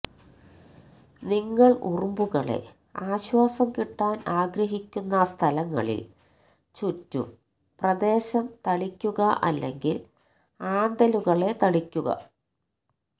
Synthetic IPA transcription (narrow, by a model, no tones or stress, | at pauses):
niŋːɐɭʔṵrumbuɣɐɭe̞̰ | aːɕwaːsɐmkiʈːaːnaːɡɾɐɦikʲːunːɐst̪ʰɐlɐŋːɐ̰ɭḭl | t͡ɕutːṵ | prɐd̪e̞ːɕɐmt̪ɐɭikʲːuɣɐʔɐ̰lːe̞ŋɡil | aːnd̪ɐluɣɐɭe̞t̪ɐɽikʲːuɣɐ̰